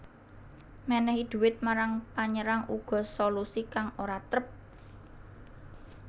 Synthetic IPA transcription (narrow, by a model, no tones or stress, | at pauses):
mɛnɛhid̪̥ṳwɪt̪̚maɾaŋpaɲəɾaŋuɡ̥ɔ̤solusikaŋoɾat̪ɾəp̚